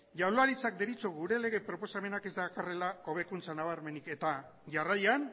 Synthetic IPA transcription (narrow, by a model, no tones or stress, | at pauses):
ʝawlaɾit͡sak̚d̪e̞ɾit͡soɣuɾe̞le̞ɣe̞pɾo̞po̞same̞nake̞zd̪akare̞lao̞β̞ekunt͡sanaβaɾme̞nike̞t̪aʝarajan